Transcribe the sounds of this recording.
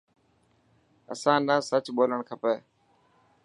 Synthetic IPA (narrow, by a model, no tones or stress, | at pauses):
ə̰sãːnəːsət͡ʃɓoːləɳkʰəpeː